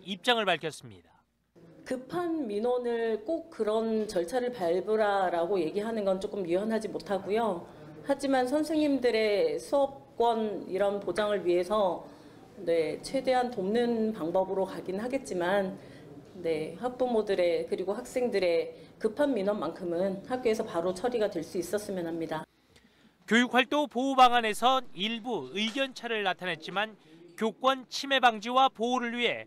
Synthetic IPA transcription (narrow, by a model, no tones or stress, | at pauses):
ip̚t͡ɕ͈aŋɯɭpaɭkʰjʌs͈ɯmɲida | kɯpʰanminwʌnɯɭk͈ok̚k͈ɯɾʌnt͡ɕʌɭt͡ɕʰaɾɯɭpaɭbɯɾaɾaɡoje̞ɡiɦanɯnɡʌnt͡ɕ͈ok͈ɯmjuʌnɦad͡ʑimotʰaɡujo | had͡ʑimansʰʌnsʰe̞ŋɲimdɯɾe̞sʰuʌp̚k͈wʌniɾʌnpod͡ʑaŋɯɭɥiɦe̞sʰʌ | ne̞t͡ɕʰwe̞de̞ɦantomnɯnpaŋbʌbɯɾokaɡinɦaɡe̞t̚t͡ɕ͈iman | ne̞hak̚p͈umodɯɾe̞kɯɾiɡoɦak̚s͈e̞ŋdɯɾe̞kɯpʰanminʌnːankʰɯmɯnhak̚k͈joesʰʌpaɾot͡ɕʰʌɾiɡatwe̞ɭs͈uis͈ʌs͈ɯmjʌnɦamɲida | kjojuk̚ʰɸaɭt͈opoubaŋane̞sʰʌniɭbuɯiɡjʌnt͡ɕʰaɾɯɭːatʰanɦe̞t̚t͡ɕ͈imankjok͈wʌnt͡ɕʰime̞baŋd͡ʑiwapouɾɯɭɥiɦe̞